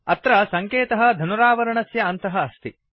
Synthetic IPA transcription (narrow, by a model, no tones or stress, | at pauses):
ɐt̪ɾɐsɐŋkeːt̪ɐɦɐ̆d̪ʱɐnuɾaːʋɐɾɐɳɐsjɐːnt̪ɐɦɐːst̪i